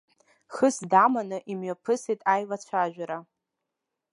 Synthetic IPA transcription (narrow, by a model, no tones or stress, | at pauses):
χɨsdamanɨʔimɥapʰɨsijtʼajlat͡ɕʷʰaʒᶣaɾa